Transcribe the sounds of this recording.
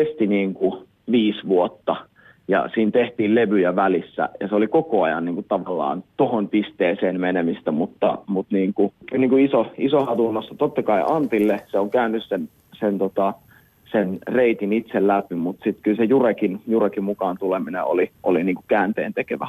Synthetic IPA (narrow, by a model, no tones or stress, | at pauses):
est̪iniːŋku | ʋiːsʋuot̪ːɑ | jɑ̰siːnt̪eht̪iːlleʋyjæʋælisːæ̰jɑ̰seolikokoɑjɑ̰nniːŋkutt̪ɑʋɑlːɑ̰ːnt̪ohonpist̪eːseːnmenemist̪æmut̪ːɑ̰mut̪niːŋkukylniŋkuisoisohɑt̪unːosːɑt̪ot̪ːɑkɑiʔɑnt̪ilːeseoŋkæynːyssen | sent̪ot̪ɑ | senreit̪init̪sellæpimut̪sit̪kylsejurekinjurekimukɑːnt̪uleminḛo̰liʔoliniːŋkukæːnt̪ḛːnt̪ekeʋæ